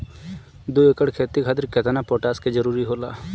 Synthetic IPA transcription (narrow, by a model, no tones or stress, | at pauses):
d̪uekəɽkʰeːt̪ikʰad̪əɾkɛt̪ʰnapoːʈaːsked͡ʒəɾuːɾiɦoːla̰ː